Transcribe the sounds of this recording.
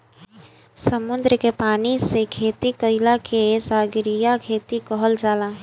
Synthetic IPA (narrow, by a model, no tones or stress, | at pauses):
səmʊnd̪ɾəkepaːnisekʰeːt̪ikəɪlakʰesaːɡɾijakʰeːt̪ikəɦəld͡ʒaːlaː